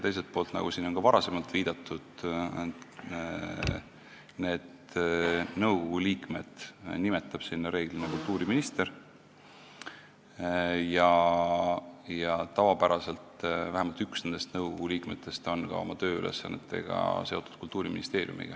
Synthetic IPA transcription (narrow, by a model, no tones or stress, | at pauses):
t̪e̞js̬e̞lt̪̚po̞ːlt̪nɑ̰ɡ̥usiːnonkɑvɑɾɑse̞mɑlt̪ˑviːd̪̥ɑt̪ːˑud̪̥ | ne̞ːd̪ | nɤwɡo̞ɡ̥uliːkme̞d̪̥nimet̪ːˑɑb̥sinːɑɾe̞ːɡ̥linekult̪ːˑuːɾiminist̪e̞ɾ | jɑ | jɑt̪ɑvɑbæɾɑse̞lt̪væhemɑlt̪yksne̞nd̪e̞st̪nɤwɡoɡ̥uliːkmet̪ːˑe̞st̪o̞nkɑ̰o̞̰mɑt̪ø̞ːylʔe̞̰sɑ̰nːet̪ʰːˑe̞̰ɡ̥ɑ̰se̞o̞t̪ːˑu̥d̪̥̚kult̪ːˑuːɾimḭnist̪e̞ːɾjṵmḭɡ̥ɑ̰